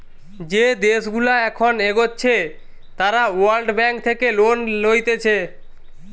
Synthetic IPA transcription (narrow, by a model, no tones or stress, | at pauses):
d͡ʑed̪eʃɡulaɛkʰoneɡotːɕʰe | t̪aɾawalɖbɛŋk̚t̪ʰekelonlojt̪et͡ɕʰe